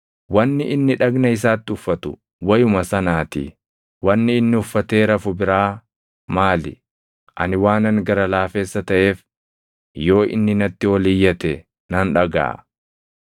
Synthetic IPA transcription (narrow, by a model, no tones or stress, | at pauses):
wɐnːɪʔɪnːɪᶑɐɡnɐɪs̬aːt̪ːɪʊfːɐt̪ʊ̰ | wɐjʊmɐsɐnaːt̪ḭː | wɐnːɪːnːɪʊfːɐt̪eːɾɐfʊbɪɾaː | maːlɪ̰ | ʔɐnɪwaːnɐŋɡɐɾɐlaːfe̞ːsːɐt̪ɐʔe̞ːf | jo̞ːʔɪ̰nːɪnɐt̪ːɪwɔliːjːɐt̪ɛ | nɐnᶑɐɡa̰ː